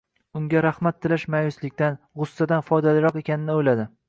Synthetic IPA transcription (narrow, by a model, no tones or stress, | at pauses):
ʊŋɡʲaɾahmat̪ʰːɪlaʃmajʊslɪkʲt̪an | ʁʊsːad̪anfɒjd̪alɪɾɒqe̞kʲʰanɪnɪojlad̪ɪ